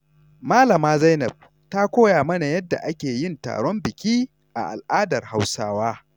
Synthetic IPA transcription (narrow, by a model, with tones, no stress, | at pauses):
maː˦lɐ˨maː˦zɐ˦jnɐ˨b̚ | ta˦kʷoː˦jaː˨mɐ˦na˨jɐ˦dːa̰˨ʔa˦kʲeː˨jɪ˦nta̰ː˨ɽɔ˦mbɪ˨kʲiː˦ | ʔa̰˨ʔa̰˨lʔaː˦dɐ˨rha˦wsaː˦waː˦